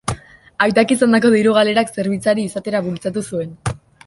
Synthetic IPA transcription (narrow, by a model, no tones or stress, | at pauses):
ajt̪akisand̪ako̞ðiɾuɣale̞ɾakse̞ɾβ̞it͡saɾiːsat̪e̞ɾaβult͡sat̪usue̞n